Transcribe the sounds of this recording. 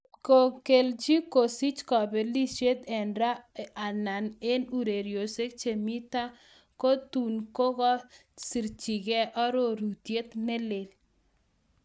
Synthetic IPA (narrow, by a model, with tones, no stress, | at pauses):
ko˨ke˨ld͡ʒi˦ko˨si˦t͡ʃkɔ˨bɛ˨li˦t͡ʃe˦t̪ɛ˨nɾa˦a˨na˨ne˦nu˦ɾe˨ɾjo˨se˦k̚t͡ʃe˨mi˦t̪a˦ | ko˦t̪u˨nko˦ɣɔ˦si˨ɾt͡ʃi˨ɡɛ˦ʔɔ˦ɾo˦˨ɾu˨t̪je˦t̪nɛ˦le˨l